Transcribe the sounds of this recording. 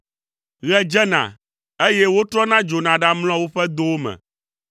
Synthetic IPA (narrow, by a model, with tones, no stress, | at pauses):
ɣɛ˦d͡ʒɛ˦nã̰˨ | e˦jɛ˦wo˦t̪ɾɔ˦nã˦d͡ʒo˨nã˨ɖa˦ml̃ɔ̃˦wo˦ɸɛ˦d̪o˦wo˦mɛ̰̃˨